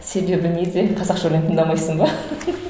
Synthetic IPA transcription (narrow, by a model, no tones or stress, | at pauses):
se̞be̞bɪned̪eqʰɑzɑqʒolent̪ʰəŋd̪ɑmɑjsəɴbɑ